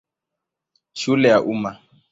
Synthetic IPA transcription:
ʃulɛjaʔuma

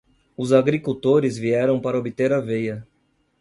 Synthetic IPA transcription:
ʊzaɡɾikut̪oɾɪzviɛɾɐ̃w̃paɾɐobɪt̪eɾavejɐ

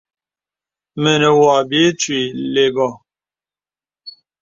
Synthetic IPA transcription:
menewaːbet͡sʰileɡo

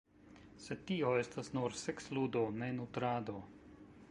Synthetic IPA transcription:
sed̚t̪ːioest̪asnuɾsekslud̪onenut̪ɾaːd̪o

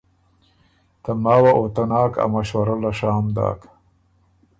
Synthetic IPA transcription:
t̪amaːwaʔot̪anɑːka̰maʃwaɾalaʂaːmd̪ɑ̰ːk

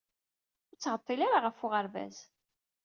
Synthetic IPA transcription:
ʊɾt͡sːʁət̪ˤːilaɾaʁəfʊʁəɾvæ̰z

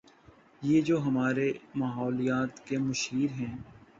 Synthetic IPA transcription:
jeːd͡ʒoːɦɐmaːɾemaːɦɔːlijaːt̪kemʊʃɦiːɾɦɛ̃ː

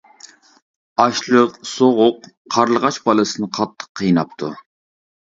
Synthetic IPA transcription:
ɑʃlˠəqsoʁʊqːʰ | ɑɾlˠəʁɑt͡ʃbɑlˠɨsɨnɨqʰɑt̪ʰːə̥qʰːəjnɑp̚t̪ʰṵ

